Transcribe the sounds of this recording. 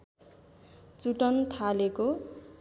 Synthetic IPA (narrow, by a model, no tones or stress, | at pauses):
t͡suʈʌnt̪ʰaleko